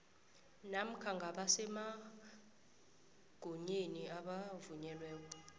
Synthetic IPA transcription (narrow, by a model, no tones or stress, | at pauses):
nam̩kʰaŋɡʱaɓasɛma | ɡ̥ʱoɲeniaɓavuɲɛlwɛːk̬ɔ